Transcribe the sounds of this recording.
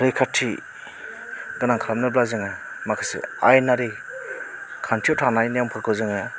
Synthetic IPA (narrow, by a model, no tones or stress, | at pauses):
ɾikʰatʰi | ɡ̥ɯnaŋkʰaɾamnɯblazɯŋa | makʰasḛa̰jnaɾi | kʰantʰiotʰanajnjampʰɯɾkʰɯwzɯŋa